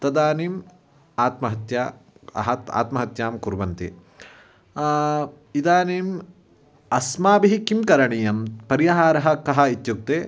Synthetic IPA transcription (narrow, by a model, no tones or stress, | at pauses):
t̪ɐd̪aːnim | aːt̪mɐɦɐt̪ja̰ | ta̰ːt̪mɐɦɐt̪jaːmkuɾbɐnt̪ḭ | id̪aːniːm | ɐsmaːbiɦikːimkɐɾɐɳijɐmpɐɾijɐɦaːɾɐɦɐ̆kɐɦɐit̪juk̚t̪eː